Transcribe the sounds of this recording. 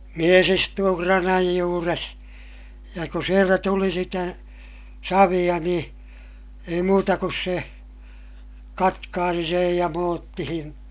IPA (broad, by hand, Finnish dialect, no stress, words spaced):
mies istuː krɑnɑj juːres jɑ ku sieltæ tuli sitæ sɑʋij̆ɑ nĩː ei muːtɑ kus se kɑtkɑːsi sej jɑ moːtːihin